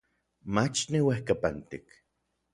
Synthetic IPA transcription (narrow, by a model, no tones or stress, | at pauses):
mat͡ʃniwehkapant̪ik